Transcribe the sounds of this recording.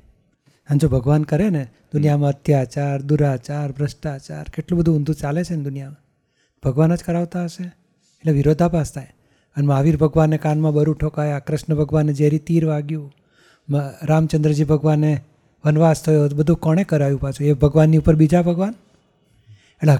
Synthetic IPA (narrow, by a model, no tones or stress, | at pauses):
ãd͡ʒobʱəɡʋankəɾened̪̥ʊnjamãəd̪ʰʱjat͡ʃaɾd̪uɾat͡ʃaɾbɾəʃʈat͡ʃa̰ɾkeʈlũbəd̪ʱũʊ̃nd̪ʱũt͡ʃalet͡ʃʰend̪ʊnijamã | bʱəɡʋanəd͡ʒkəɾaʋt̪aəʃe | eʈleʋɪɾod̪ʱapast̪ʰaj | ənemaʋiɾbʱəɡʋanːekanmãbəɾuʈʰokajakɾɪʃɳəbʱəɡʋanːed͡ʒeɦɾit̪iɾʋaɡjũ | mɾamt͡ʃənd̪ɾəd͡ʒibʱəɡʋanːe | ʋənʋast̪ʰəjobəd̪ʱũkɔɽ̃ekəɾajũpat͡ʃũebʱəɡʋanːiupəɾbid͡ʒabʱəɡʋan | eʈle